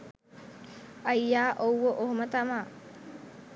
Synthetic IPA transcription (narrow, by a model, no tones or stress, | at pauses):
ɐjːaːʔowːoʔoɦomət̪ɐmaː